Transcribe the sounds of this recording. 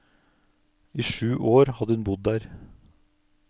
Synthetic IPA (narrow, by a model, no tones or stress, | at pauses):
ʔiːʃʉːʔoːɾhɑd̪əʉnbʊd̪̚ːæːɾ